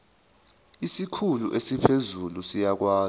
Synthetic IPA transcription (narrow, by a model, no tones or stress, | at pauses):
isikʰuluʔesipʰezulusijak̬waː